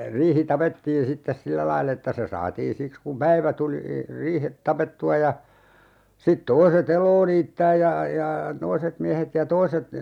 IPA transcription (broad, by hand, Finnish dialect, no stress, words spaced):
riːhi tɑpetːiːn sitːes silːæ lɑilː etːæ se sɑːtiːn̞ siks kum pæiʋæ tuli riːhet tɑpetːuɑ jɑ sit toiset eloː niːtːæːj jɑ jɑ toiset miæhet jɑ toiset